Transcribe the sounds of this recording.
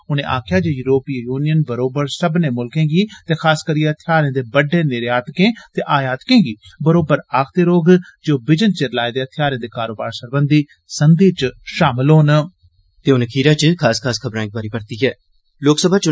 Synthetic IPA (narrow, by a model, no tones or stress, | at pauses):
ʊnẽːʔa̰ːkʰjaːd͡ʒoːjuːɾoːpiːjuːnijənbəɾoːbəɾsəbnẽːmʊlkẽːɡiːt̪eːkʰaːskəɾiːeət̪ʰɪjaːɾẽːd̪eːbəɖeːnɪɾeaːt̪kẽːt̪eːʔaːjaːt̪kẽːɡiːbəɾoːbəɾaːkʰt̪eːɾoːɡd͡ʒoːbɪd͡ʒənt͡ʃeɾlaːeːd̪eːət̪ʰɪjaːɾẽːd̪eːkaːɾoːba̰ːɾsəɾbənd̪iː | sənd̪iːt͡ʃʃaːmɪlɦoːn | t̪eːʊnəkʰiːɾaːt͡ʃkʰaːskʰaːskʰəbɾãːŋk̚baːɾiːpəɾt̪iːɦɛː | loːksəbʱaːt͡ʃ